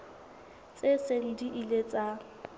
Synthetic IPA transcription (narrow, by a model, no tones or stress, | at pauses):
t͡sʼesen̩diʔilet͡sʼa